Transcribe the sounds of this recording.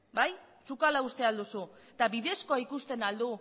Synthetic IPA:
baj | sukalaust̪e̞ald̪usut̪aβiðe̞skoaikust̪e̞nald̪u

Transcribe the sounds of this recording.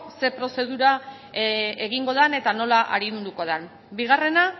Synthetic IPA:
se̞pɾo̞se̞ðuɾa | eɣ̞iŋɡo̞ðane̞t̪ano̞laʔa̰ɾind̪uko̞ð̞an | biɣ̞are̞na

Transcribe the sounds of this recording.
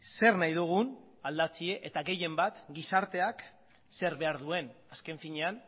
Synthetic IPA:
se̞rnajðuɣ̞un | ald̪at͡sie̞ʔet̪aɣe̞je̞mbat̪ɡisaɾt̪e̞ak | se̞ɾβe̞aɾð̞ue̞naske̞ɱfiɲe̞an

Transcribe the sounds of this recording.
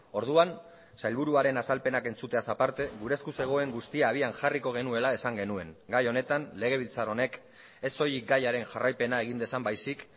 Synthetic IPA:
o̞ɾðuan | sajlβ̞uɾuaɾe̞nasalpe̞nake̞nt͡sut̪e̞asapaɾt̪e̞ɣuɾe̞skuse̞ɣ̞o̞e̞ŋɡust̪iaːβ̞ianʝariko̞ɣ̞e̞nue̞laesaŋɡe̞nue̞ŋɡajo̞ne̞t̪anle̞ɣ̞e̞β̞ilt͡saro̞ne̞k | e̞so̞jiɡajaɾe̞nʝarajpe̞nae̞ɣ̞ind̪e̞sambajsik

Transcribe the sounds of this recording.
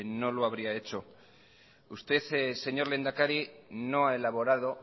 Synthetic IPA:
no̞loaβ̞ɾiae̞t͡ʃo̞ | ust̪e̞θse̞ɲo̞ɾle̞nd̪akaɾino̞ae̞laβ̞o̞ɾað̞o̞

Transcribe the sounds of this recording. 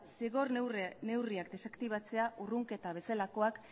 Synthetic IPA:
seɣo̞rne̞wriakd̪e̞sakt̪iβ̞at͡se̞aʔuruŋke̞t̪aβ̞e̞salako̞ak

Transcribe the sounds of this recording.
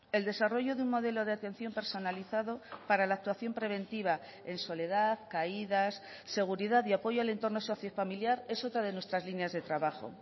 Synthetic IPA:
e̞ld̪e̞saro̞ʝoðeuŋmo̞ðe̞lo̞ð̞eat̪e̞n̟θjo̞mpe̞ɾso̞naliθaðopaɾalak̚t̪waθjo̞mpɾe̞β̞e̞nt̪iβ̞a | e̞nso̞le̞ð̞aðkaiðas | se̞ɣ̞uɾiðaðiapo̞ʝoale̞nt̪o̞rnoso̞θjo̞familjaɾe̞so̞t̪ɾaðe̞nwet̪ɾazlinjazðe̞t̪ɾaβaxo̞̰

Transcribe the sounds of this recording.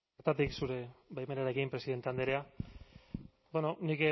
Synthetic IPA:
ɾt̪at̪iksuɾe̞bajmenaɾe̞kimpɾe̞siðe̞nt̪eand̪eɾe̞a | beno̞nik

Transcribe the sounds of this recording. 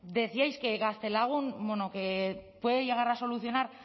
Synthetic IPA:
d̪e̞θiajske̞ɣast̪e̞laɣ̞unbwenoke̞pwe̞ðeʝe̞ɣ̞aɾaso̞luθjo̞naɾ

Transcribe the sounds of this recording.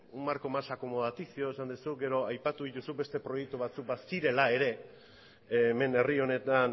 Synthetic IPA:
umaɾko̞masako̞moðat̪isio̞esand̪usuɡe̞ɾo̞ajpat̪uðit̪usube̞st̪e̞pɾo̞je̞k̚t̪uβat͡suk̚basiɾe̞lae̞ɾe̞ | me̞ne̞rio̞ne̞t̪an

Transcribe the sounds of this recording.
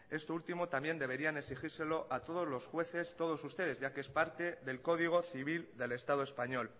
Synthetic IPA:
e̞st̪oult̪imot̪ambje̞nd̪e̞βe̞ɾianeksixiɾse̞lo̞ʔat̪o̞ð̞o̞zlo̞sxwe̞θe̞st̪o̞ð̞o̞sust̪e̞ð̞e̞zʝakeespaɾt̪e̞ðe̞lko̞ð̞iɣ̞o̞θiβ̞ild̪e̞le̞st̪aðoe̞spaɲo̞l

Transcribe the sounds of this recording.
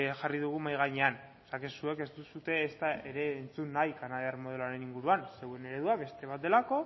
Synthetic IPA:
ʝariðuɣ̞umajɣaɲe̞an | sakesue̞ke̞zt̪usut̪e̞ːst̪ae̞ɾe̞ːnt͡sunːajkanaðiarmo̞ðeloaɾe̞niŋɡuɾuanse̞wene̞ɾe̞ðuaβe̞st̪e̞βat̪d̪e̞lako̞

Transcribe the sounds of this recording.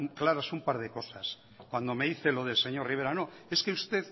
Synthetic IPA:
ŋklaɾasumpaɾð̞e̞ko̞sas | kwand̪o̞me̞ðiθe̞lo̞ð̞elseɲo̞ɾriβ̞e̞ɾano̞e̞skeust̪e̞ð

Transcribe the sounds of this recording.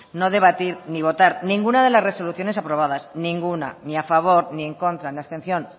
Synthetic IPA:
no̞ðe̞β̞at̪iɾniβ̞o̞t̪aɾnĩŋɡunað̞elazre̞so̞luθjo̞nesapɾo̞β̞að̞asnĩŋɡuna̰niafaβ̞o̞ɾnieŋko̞nt̪ɾanast̪e̞nθjo̞n

